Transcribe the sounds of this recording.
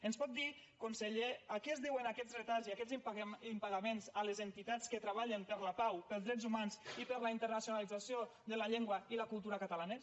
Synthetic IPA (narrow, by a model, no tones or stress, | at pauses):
ənspɔt̪̚d̪ikunseʎeakɛzðiwənakɛzret̪aziakɛziimpaɣamenzalezənt̪it̪at͡skət̪ɾəβ̞aʎənpəɾlapawpəlˠzðɾɛzumanzipəɾlaint̪ərnasjunalid͡zasioðəlaʎeŋɡwailakulˠt̪uɾakat̪alanə